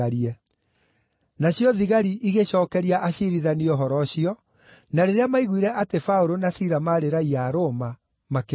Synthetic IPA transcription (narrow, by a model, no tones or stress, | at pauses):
aɾiɛ | naɕjɔðiɣaɾiʔiɣeɕɔːkɛɾiaʔaɕiɾiðaniɔɦɔɾɔɕiɔ | naɾeɾeamaiɣwiɾɛʔatefaoɾonasiɾamaɾeɾaiaɾoma | make